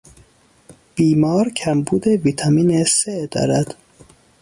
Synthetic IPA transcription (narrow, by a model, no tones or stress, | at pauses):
b̥iːmɒːɾcʰæmbuːd̪eviːt̪ʰɒmiːneseʔd̪ɒ̰ːɾæd̪̥